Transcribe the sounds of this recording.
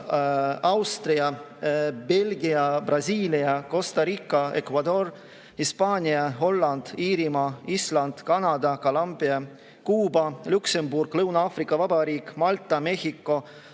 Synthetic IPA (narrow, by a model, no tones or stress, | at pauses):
ɑwst̪riɑ | b̥e̞lɡiɑb̥rɑsiːliɑko̞st̪ɑɾikːˑɑe̞̰kvɑd̪o̞r | hispɑːnʲiɑɦo̞lːɑnd̪̥iːɾimɑislɑnd̪̥kɑnɑd̪ɑkɑlɑmbiɑ | kuːbɑluksemburɡ̥lɤwnɑɑːfrikːˑɑvɑbɑɾiːkːmɑlt̪ˑːɑme̞hikːˑo̞